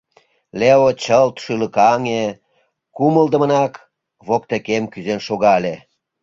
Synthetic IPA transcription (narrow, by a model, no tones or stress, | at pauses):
leot͡ɕəlt̪ʃyləkɑŋe | kuməld̪ə̆mənɑk | βokt̪ekemkyzenʃoɣɑle